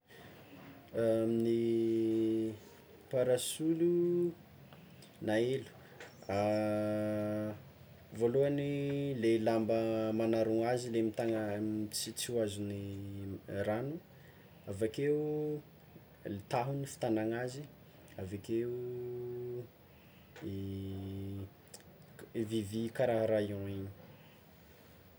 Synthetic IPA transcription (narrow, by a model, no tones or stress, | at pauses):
mni | paɾasulu | naelu̥ | a | voluanilelambəmanaɾuŋazilemit̪aŋamit͡sit͡siazuni | ranu | avakeu | lit̪aɦunifi̥t̪anaŋazi | avakeu | vivikaɾaɦaɾajõiɲi̥